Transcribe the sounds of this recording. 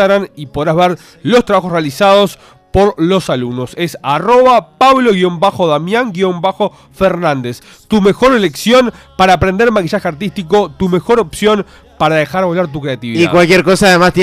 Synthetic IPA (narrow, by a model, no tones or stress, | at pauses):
aɣɾanipo̞ð̞ɾazβeɾ | lo̞st̪ɾaβaxosrealisað̞o̞s | poɾlo̞salumno̞se̞saro̞βapaβlo̞ɣio̞mbaxo̞ðamjaŋɡio̞mbaxo̞ | feɾnãnd̪es | t̪umexo̞ɾele̞ksjo̞npaɾaːpɾend̪eɾmakiʃaxeaɾt̪ist̪iko̞t̪ume̞xo̞ɾo̞psjo̞n | paɾaðexaɾβolaɾt̪̬ukɾe̞at̪iβiðia̰kwalkjeɾkosaðemast̪